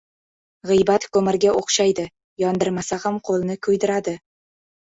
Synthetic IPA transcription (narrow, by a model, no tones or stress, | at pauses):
ʁɨjbat̪kʰɵmɪɾɡʲaoqʃajd̪ɪ | jɒnd̪ɪɾmasahamqʰolˠnɪkʲʰɵjd̪ɪɾad̪ɪ